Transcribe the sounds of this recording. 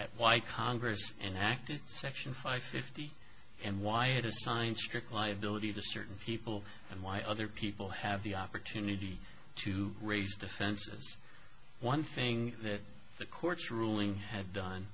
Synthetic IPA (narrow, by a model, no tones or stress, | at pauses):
ɨt̚waɪkʰɑ̃ŋɡɹɨsɪ̃næk̚tɨd̥sɛkʃn̩faɪv̥fɪfti | ɨ̃nwaɪɨɾɨsãɪ̃nd̥stɹ̥ɪk̚tˡlaɪɨbɪlˠəɾiɾɨsɜ̰˞ʔn̩pʰipl̩ˠ | ɨ̃nwaɪʔʌðə˞pʰipl̩ˠɨvðiɑpə˞tʰʉnɨɾi | ɾɨɹeɪzdɨfɛ̃nsɪ̰z̥ | wʌ̃nθɪ̃ŋðɨt̪̚ | ðɨkʰɔɹtsɹulˠɪ̃ŋɨdʌ̃n